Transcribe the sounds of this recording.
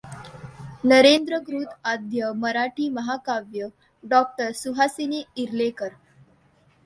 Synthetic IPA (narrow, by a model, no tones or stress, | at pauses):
nəɾend̪ɾəɡɾuːt̪ad̪ʱjəməɾaʈʰiːməɦakaʋjə | ɖɔk̚ʈəɾsuɦasiniːiɾlekəɾ